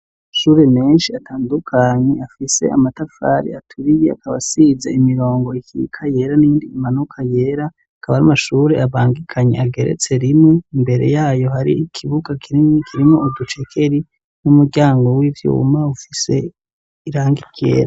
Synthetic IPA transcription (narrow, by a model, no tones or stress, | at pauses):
ʃuːɾe̞me̞ːnʃiatʰaːndukʰaɲeafise̞̰a̰matafa̰ɾḭatʰuɾijea̰kaβa̰sizḛimiɾo̞ːŋɡo̞ikʰiikʰaje̞ːɾaniːndiːmanukʰaje̞ːɾa | akʰaβaɾamaʃuːɾe̞aβaːŋɡikʰaɲe̞̰aɡe̞ɾe̞̰t͡se̞ɾimŋeimbe̞ɾe̞̰jaːjo̞haɾḭikʰiβuɡakʰiɾkʰiɾimoudut͡ʃekʰe̞ɾi | numuɾɟaːŋɡo̞wivjṵmaufise̞ | iɾaːŋɡikḛːɾa